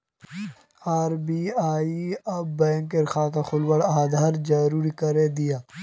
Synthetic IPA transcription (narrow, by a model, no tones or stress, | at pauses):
aːɾbiːaːiɐbbɛ̃ːŋkeɾxaːt̪axʊlwɐɽaːd̪ʱaːɾd͡ʒɐɾuːɾikɐɾed̪ɪjaː